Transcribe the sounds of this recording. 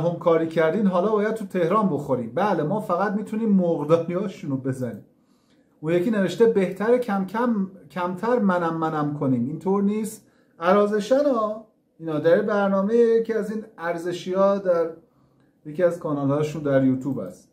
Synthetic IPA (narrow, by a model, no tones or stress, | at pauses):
ɦomkʰɒːɾiːcʰæɾd̪iːnɦɒːlɒːbɒːjæd̪̚t̪ʰut̪ʰe̞hɾɒːnbo̞xoɾiːmbæːle̞mɒːfæɣæt̪̚miːt̪ʰuniːmːoɣd̪ɒːniɒːʃunobe̞zænḭːm | unjecʰiːne̞ve̞ʃt̪e̞be̞ht̪ʰæɾeæmʰæmcʰæmt̪ʰæɾmænæmːænæmkʰo̞niːmint̪ʰoːɾniːst̪ | æɾɒːze̞ʃænɒː | iːnɒːd̪æɾibæɾnɒːmejejecʰiæziːnæɾze̞ʃiɒːd̪æɾ | jecʰiæzkʰɒːnɒːlhɒːjeʃuːnd̪æɾjuːt̪ʰuːbæ̰st̪